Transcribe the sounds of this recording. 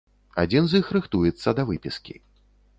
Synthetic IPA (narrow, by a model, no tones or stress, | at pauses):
a̰d͡zʲinzʲjixɾɨxt̪ujɛt̪sːɐd̪ɐvɨpʲiskʲḭ